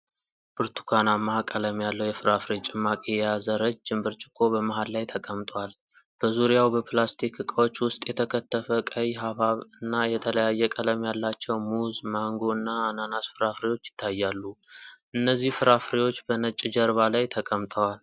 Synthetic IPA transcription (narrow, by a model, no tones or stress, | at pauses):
b̥ɨɾt̪ʰu̥kʰanamːaakʼələmjalːəwjɛfɨɾafɾet͡ʃʼɪmːakʼejazəɾəd͡ʒd͡ʒɨmbɨɾt͡ʃʼɪ̥kʰːo̞bəmaɦallajt̪ʰəkʼəmt̪ʼəwal | b̥əzuɾijawbəpʰlast̪ʰikɨkʼəwot͡ʃːwʊst̪ʼjɛt̪ʰəkʰət̪ʰːəfəkʼəjɦaβaβɨnːajɛt̪ʰələjajːɛkʼələmjalːat͡ʃːɛwmuzmaŋɡo̞ɨnːaːnanasfɨɾafɾewo̞t͡ʃːjɪ̥t̪ʰːajːalːuʔɨnːəzːihfɨɾafɾewo̞t͡ʃːbənət͡ʃʼɪd͡ʒəɾβalajt̪ʰəkʼəmt̪ʼəwal